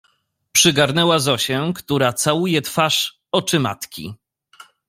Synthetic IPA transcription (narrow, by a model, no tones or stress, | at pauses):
pʂɘɡaɾnɛwazɔɕɛkt̪uɾat̪sawujɛt̪faʂ | ɔt͡ʂɘma̰t̪kʲḭ